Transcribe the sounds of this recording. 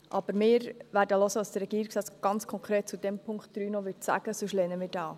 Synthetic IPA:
ʔɑb̥əɾmɪːɾʋæɾdəlɔsəʋɑsd̥əɾɛɡiːɾiksɛt͡sɡ̥ɑnt͡skʰɔŋkʰɾeːt̚t͡sudɛmpʰʊŋktd̥ɾyːnɔʋʏtsæ̰ɡəsʊʃlɛːnəmɪːɾd̥ɑː

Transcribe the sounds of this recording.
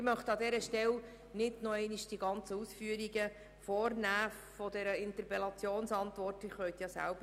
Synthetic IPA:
mœχt̪ɑd̪ɛɾəʃtɛl | nɪdnoɛɪniʃd̥iɡɑnt͡səusfyəɾiɡə | foːrnæː | fɔd̪ɛɾəɪnt̪əɾpɛlɑt͡sjoːnsɑnt̪ʋɔrtɪχʋœɥt̪jɑsæ̰lbə

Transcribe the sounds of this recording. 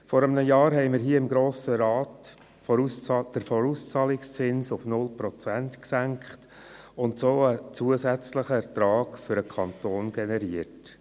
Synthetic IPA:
fɔɾəmnəjɑːɾɦɛɪmɪɾɦiːəɪmɡɾoːsəɾɑːt | fɔud̥əɾfɔɾust͡sɑːlɪkst͡sɪnsʊfnʊlpɾɔt͡sɛntksæŋkχt | ʊntsoːət͡suəzɛt͡sləχəɛɾtɾɑːɡfʏɾəkʰɑntoːnɡ̥ɛnɛɾiət

